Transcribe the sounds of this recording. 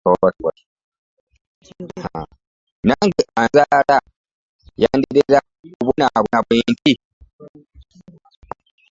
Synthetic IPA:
otwa | ha | naŋɡeʔanzala | jaːndiɾeɾa | uβunaβunaβweːnti

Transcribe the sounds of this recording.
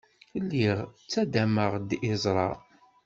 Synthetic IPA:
lːiʁt͡sːæd̪æməʁd̪ɪzˤɾˤɑ̰

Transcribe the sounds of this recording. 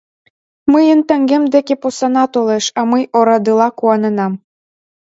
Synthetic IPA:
məjə̆nt̪æŋɡemd̪ekeposɑnɑt̪oleʃɑmɤjʔoɾɑd̪ɤlˠɑkuɑnɤ̆nɑm

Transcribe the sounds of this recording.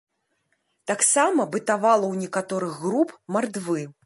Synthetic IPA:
t̪aksamɐbɨt̪avalˠɐwnʲɛkat̪ɔɾɨɣɣɾupmard̪vɨ

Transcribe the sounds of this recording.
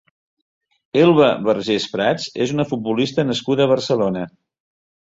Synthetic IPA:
elˠβəβərʒespɾat͡sezunəfut̪̚bulist̪ənəskuðəːβ̞ərsəlonə

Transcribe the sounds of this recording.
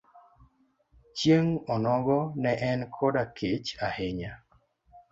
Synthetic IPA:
t͡ʃjeŋɔnɔɡɔnɛʔɛnkʰodakʰet͡ʃaheɲa

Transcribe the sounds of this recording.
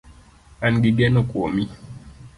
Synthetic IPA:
anɡiɡɛnokʼomi

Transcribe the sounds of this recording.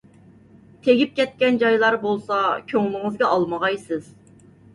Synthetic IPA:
t̪ʰeɡʲip̚kʲʰɛt̪̚kʲɛnd͡ʒɑjlˠɑɾbolˠsɑkʲʰøŋlˠɨŋɨzɡʲɑʔɑlˠməʁɑjsɪz̥

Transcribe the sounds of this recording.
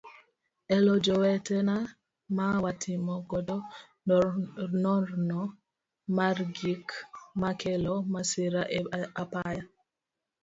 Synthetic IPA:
ɛlɔd͡ʒɔwɛtɛna | mawatʰimɔɡɔdɔ | nɔɾnɔ | maɾɡikmakɛlɔmasiɾaʔɛapaja

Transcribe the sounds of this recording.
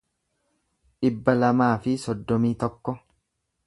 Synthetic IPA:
ᶑɪbːɐlɐmaːfɪsɔd̪ːɔmiːt̪ɔkːɔ

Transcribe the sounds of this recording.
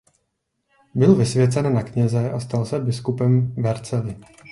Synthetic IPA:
bɪlvɪsvjɛt͡sɛnnakɲɛzɛʔast̪alsɛbɪskupɛmvɛɾt͡sɛlɪ

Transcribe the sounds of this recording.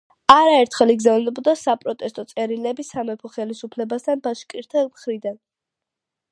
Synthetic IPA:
aɾaɛɾt̪ʰχɛliɡzavnɛbɔd̪asapʼɾɔt̪ʼɛst̪ʼɔt̪sʼɛɾilɛbisamɛpʰɔχɛlisupʰlɛbast̪ʰanbaʃkʼiɾt̪ʰɛlˠmχɾid̪an

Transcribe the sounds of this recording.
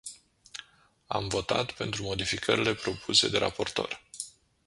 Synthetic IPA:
amvo̞t̪at̪pe̞nt̪ɾumo̞d̪ifikʰəɾile̞pɾo̞pʰuse̞d̪e̞ɾapo̞rt̪o̞r

